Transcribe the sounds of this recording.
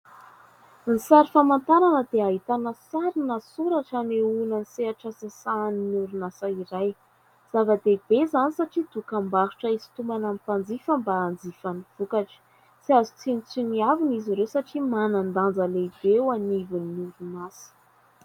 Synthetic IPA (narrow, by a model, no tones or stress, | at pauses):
nisaɾifamant̪aɾanəd̪eaɦit̪anəsaɾinasuɾaʈ͡ʂaneunaniseaʈ͡ʂasasaːninuɾunasaiɾaj | z̥avəd̪eb̥ezanisaʈ͡ʂid̪̥ukambaɦu̥ʈ͡ʂəizi̥t̪umanampand͡zifəmbaːnd͡zifaniv̥ukaʈ͡ʂə̥ | siazut͡sinit͡siniaviniziɾewsaʈ͡ʂimanand̪and͡zəleib̥ewanivunːuɾunasə̥